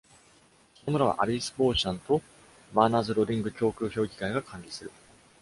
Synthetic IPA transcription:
sonomɯ̟ɾaβ̞a̰ʔaɾʲisɨ̥bo̞ːɕãnt̪o̞ | maːnazɨɾo̞d̪ʲĩŋɡɯ̟kʲo̞ːkʲɯ̟ːço̞ːɡʲi̥kaiɡakʰãɲɾʲisɨɾɯ̟

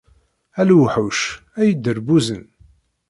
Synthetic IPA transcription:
ælwħuʃ | æjəd̪ːəɾbuzən

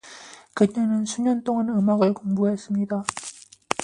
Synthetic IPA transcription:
kɯɲʌnɯnsʰuɲʌnt͈oŋanɯmaɡɯɭkomɡuɦe̞s͈ɯmɲida

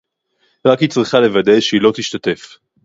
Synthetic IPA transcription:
ʁakhit͡sʁiχale̞vadejʃeilo̞t̪iʃt̪at̪e̞f

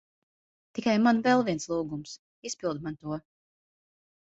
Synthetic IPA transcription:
t̪ikajmanvɛlˠviɛnslˠuːɡums | ispilˠd̪̚mant̪uɔ

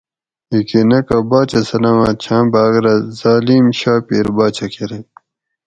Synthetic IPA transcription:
ikinɐkɐbaːt͡ɕɐsɐnɐmat͡ɕʰãːbaːɣɾɐzaːliːmɕaːpeːɾbaːt͡ɕʰɐkʰeɾe

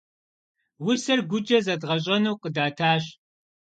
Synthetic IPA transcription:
wʊsɐrɡʷʊd͡ʒʼɐzɐdʁɐɕ̬ʼɐnuːqʼədaːtʰaːɕ

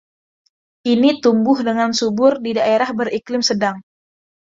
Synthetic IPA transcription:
ʔinit̪umbʊhdəŋansubʊrdidaʔeɾahbəɾiklɪmsədaŋ

